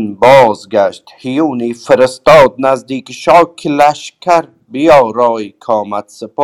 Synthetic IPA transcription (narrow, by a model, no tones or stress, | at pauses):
nbɒːzɡaʃt̪hijuːniːfɪɾɪst̪ɒːd̪̚næzd̪iːkʃɒːkʰɪlæʃkʲʰaɾ | bijɒːɾɒːjkʰɒːmat̪sɪpː